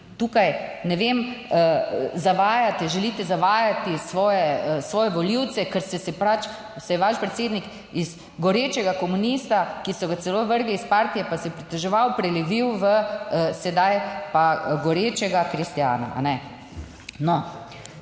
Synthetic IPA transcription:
t̪uːkajnɛʋem | zaʋaːjat̪ɛʒɛliːt̪ɛzaʋaːjat̪isʋɔːjɛsʋɔːjɛʋɔliwt̪sɛkəɾsɛsɛpɾat͡ʃ | sɛjɛʋaʃpɾɛt̪seːd̪nik | iz | ɡɔɾeːt͡ʃɛɡakɔmunist̪akisɔɡat̪sɛloːʋəɾɡliːspaɾt̪ijɛpasɛjpɾit̪ɛʒɛʋawpɾɛlɛʋiwʋəsɛd̪ajpaɡɔɾeːt͡ʃɛɡakɾist̪ja̰ːna̰ʔa̰nɛ | nɔ

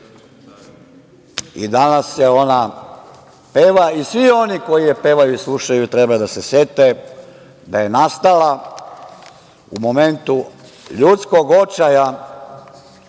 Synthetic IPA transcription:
ḭd̪anasjeo̞na | pe̞ʋaisʋio̞niko̞jijepe̞ːʋajuislˠuʃajut̪ɾebad̪asese̞t̪e | d̪aje̞nast̪ala | ṵmo̞me̞nt̪u | ʎut̪sko̞ɡo̞t͡ʃaja

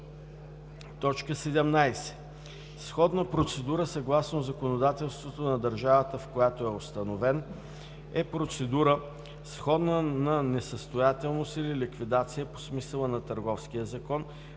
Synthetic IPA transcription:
t̪ɔt͡ʃkəsɛd̪ɛmnajsɛ̥ | sxɔd̪nəpɾot̪sɛd̪uɾəsɐɡlˠasnozɐkonod̪at̪ɛlˠst̪vot̪onɐd̪əɾʒavət̪əfkojat̪oɛost̪ɐnovɛn | ɛpɾot̪sɛd̪uɾə | sxɔd̪nənɐnɛsəst̪ojat̪ɛlˠnost̪ililikvid̪at̪sijəpo̥smisəlˠənɐt̪əɾɡɔfsk̟ijəzɐkɔn

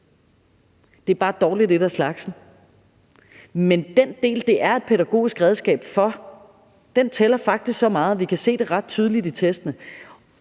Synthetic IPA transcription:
d̥e̝æɐb̥ɑ̈ːd̥ɒːlid̥eɾ̥æslɑ̈ɡ̥sn̩ | mend̥end̥e̝̰ːld̥e̝ʔæɐe̝d̥̚pʰeðæɡ̥o̝̰ːisɡ̥ʁɛð̞ˠsɡ̥ɛ̰ːb̥fɒ̽ | d̥ent͡sʰelɐfɑ̈ɡ̥̚d̥isɡ̥sɒ̽mɑ̈ːð̞̩ˠʋikʰæse̝̰ːd̥e̝ʁɑ̈d̥̚t͡sʰyð̞ˠəlidit͡sʰesd̥ənə

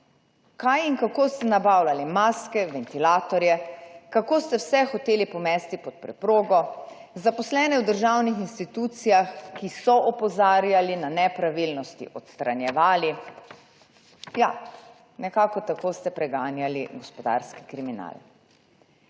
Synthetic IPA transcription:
kajiŋkakost̪ɛnabaːwlalimaːskɛʋɛnt̪ilaːt̪ɔɾjɛkakoːst̪ɛwsɛxɔt̪eːlipɔmɛːst̪ipɔt̪̚pɾɛpɾoːɡɔ | zapɔslɛːnɛwd̪əɾʒawnixinst̪it̪uːt̪sijaxkisɔʔɔpɔzaːɾjalinanɛpɾaʋilnɔst̪ḭʔɔt̪st̪ɾanjɛʋaːli | ja | nɛkaːkɔt̪akoːst̪ɛpɾɛɡaːnjaliɡɔspɔd̪a̰ɾski̥kɾimina̰l

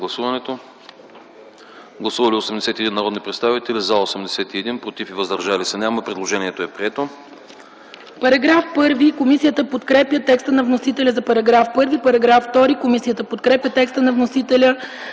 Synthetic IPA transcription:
ɡlˠɐsuvɐnɛt̪o | ɡlˠɐsuvɐliosɛmd̪ɛsɛt̪iɛd̪inːɐɾɔd̪nipɾɛt̪st̪avit̪ɛlizalˠosɛmd̪ɛsɛt̪iɛd̪inpɾot̪ifivəzd̪ɐɾʒalisɛnʲaməpɾɛd̪lˠoʒɛnʲiɛt̪oɛpɾiɛt̪o | pɐɾɐɡɾafpɤɾvikomisijət̪əpot̪kɾɛpjət̪ɛkst̪ənɐvnosit̪ɛlʲəzɐpɐɾɐɡɾafpɤɾvipɐɾɐɡɾafːt̪ɔɾikomisijət̪əpot̪kɾɛpjət̪ɛkst̪ənɐvnosit̪ɛlʲə

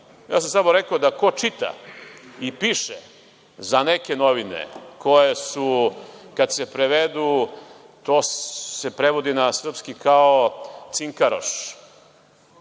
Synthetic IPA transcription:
ja̰ːsamsamoɾekood̪ako̞t͡ʃit̪a̰ipiʃe | zaneke̞noʋinḛkʰo̞jesukad̪sepɾeʋed̪u | t̪osepɾeʋod̪inasr̩pskikʰaot̪siŋkaɾo̰ʃ

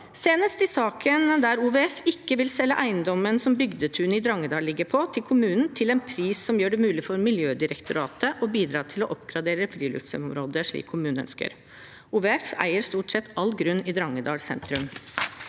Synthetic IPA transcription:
seːnəst̪ɪsɑːkʰənd̪æɾuːʋeɛfɪkːəʋɪlsɛlːəʔæɪənd̪ɔmənsɔmbʏɡd̪ət̪ʰʉːnɪd̪ɾɑŋːəd̪ɑːllɪɡːəɾpʰɔt̪ʰɪlkʰʊmʉːnn̩t̪ʰɪlɛnpʰɾiːssɔmjøːɖɛmʉːlɪfɔɾmɪljøːd̪ɪɾəkt̪ʊɾɑːt̪əʔɔbiːd̪ɾɑːt̪ʰɪlɔʔɔpɡɾɑd̪eːɾəfɾiːlʉ̰fsəɔmɾoːd̪əʂɭḭːkʰːʊmʉːnəœ̰nskə̰ɾ | ʔuːʋeɛfæ̰ɪəɾst̪uːʈsɛt̪ʰːɑlːɡɾʉnːɪd̪ɾɑŋːəd̪ɑ̰ːlsɛ̰nt̪ɾʉm

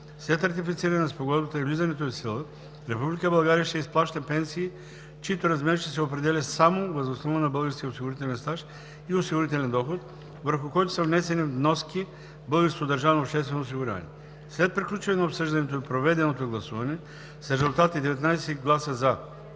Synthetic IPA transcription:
sɛt̪ɐɾt̪ifit̪siɾɐnɛnɛspoɡɔd̪bɐt̪əivlizɐnɛt̪oisilˠə | ɾɛpublikəbɐlˠɡaɾijəʃt̪ɛisplˠaʃt̪əpɛnsiː | t͡ʃiit̪oɾɐzmɛɾiʃt̪ɛsɛopɾɛd̪ɛlʲɐsamovəzosnɔvənɐbɤlˠɡəɾskʲijəosiɡʊɾit̪ɛlʲɛnst̪aʃ | iosiɡʊɾit̪ɛlʲɛnd̪ɔxot̪ | vəɾxʊkɔjt̪ʊ̥sɐvnɛsɛnivnɔski | bəlˠɡəɾskod̪ɐɾʒanoːpʃt̪ɛst̪vɛnoːs̬iɡuɾa̰nʲḭ | slɛt̪̚pɾiklʲut͡ʃɐnɛnɐopsəʒd̪ɐnɛt̪oipɾovɛd̪ɛnot̪oɡlˠɐsuvɐnɛ | sɾɛzulˠt̪at̪id̪ɛvɛt̪najsɛɡlˠasəza

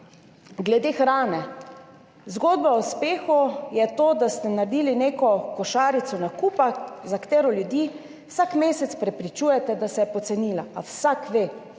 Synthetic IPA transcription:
ɡlɛd̪exɾaːnɛ | zɡoːd̪̚bauspeːxujɛt̪oːd̪ast̪ɛnaɾd̪iːlineːkɔkɔʃaːɾit̪sɔnakuːpazakt̪eːɾɔljud̪jiː | wsakmeːsɛt̪spɾɛpɾit͡ʃuːjɛt̪ɛd̪asɛjɛpɔt̪sɛniːlaawsakʋe

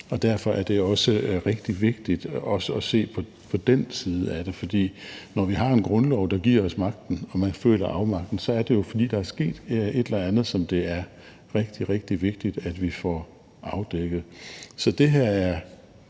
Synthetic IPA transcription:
ɒ̽d̥æɐfɒ̽ʔæɐd̥e̝ɒ̽səʁeɡ̥̚d̥iʋe̝ɡ̥̚d̥id̥ɒ̽səɒ̽se̝̰ːpʰɒ̽ | pʰɒ̽d̥ensiːðˠəæd̥e̝fɒ̽d̥ḭːnɒʋiɦɑ̈e̝nɡ̥ʁɔ̽nlɒʊd̥ɑ̈ɡ̥iɐ̰ɒ̽smɑ̈ɡ̥̚d̥n̩ɒ̽mænfø̰ːlɐʔɑ̈ʊmɑ̈ɡ̥̚d̥n̩sɒ̽æɐd̥e̝jo̝fɒ̽d̥ḭːd̥ɑ̈æɐsɡ̥e̝̰ːd̥e̝d̥elɐænð̞̩ˠsɒ̽md̥e̝æɐ | ʁeɡ̥d̥iʁeɡ̥̚d̥iʋe̝ɡ̥̚d̥id̥æd̥ʋifɒ | ɑ̈ʊd̥eɡ̥ð̩ˠsɒ̽d̥e̝ɦæɐ̰æɐ

